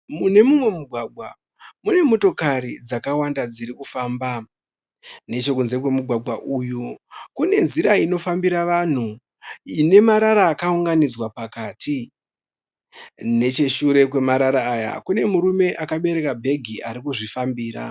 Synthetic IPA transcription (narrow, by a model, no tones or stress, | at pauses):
mune̞mumwe̞muɡʱwaɡʱwa | mune̞mo̞to̞kaɾid͡zakawandad͡ziɾikufaːmba | ne̞t͡ʃo̞kunze̞kwe̞muɡʱwaɡwaʔujukune̞nziɾaino̞fambiɾaʋan̤u | ine̞maɾaɾaːkauŋɡanid͡zwapakaːti | ne̞t͡ʃe̞ʃuɾe̞kwe̞maɾaɾaːja̰kune̞muɾume̞ʔakaɓe̞ɾe̞kabʱe̞ɡʱiʔaɾikuʐifambiːɾa̰